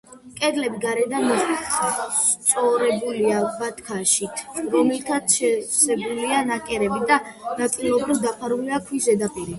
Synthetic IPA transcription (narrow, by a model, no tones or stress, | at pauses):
kʼɛd̪lɛbiɡaɾɛd̪amɔzi | t̪sʼɔɾɛbuliavat̪ʰkʰaʃit̪ʰɾɔmɛlt̪ʰat̪ʰʃɛsɛbulianakʼɛɾɛbid̪anat̪ʼilˠɔbɾivd̪apʰaɾuliakʰwisɛd̪apʼiɾi